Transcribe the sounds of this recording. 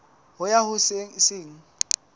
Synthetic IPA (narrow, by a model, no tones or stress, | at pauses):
hʊjahʊseɪsɪːŋ̩